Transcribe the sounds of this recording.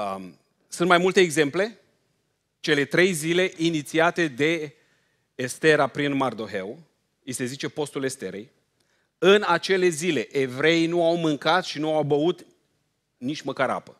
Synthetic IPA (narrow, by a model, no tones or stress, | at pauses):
sunt̪majmult̪eːɡze̞mple̞ | t͡ʃe̞le̞t̪ɾe̞jzile̞ʔinit̪siat̪e̞d̪e̞ː | st̪e̞ɾapɾinmard̪o̞ɦe̞̰w | ise̞zit͡ʃe̞po̞st̪ule̞st̪e̞ɾḛj | ɨnat͡ʃe̞le̞zile̞ʔevɾe̞inuawmɨŋkat̪ʃinuawbəut̪ | nit͡ʃʲməkaɾa̰pə